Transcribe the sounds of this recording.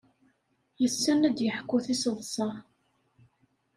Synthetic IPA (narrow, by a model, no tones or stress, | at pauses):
jəsːænæd̪jəħkːʊθisəðˤsˤɑ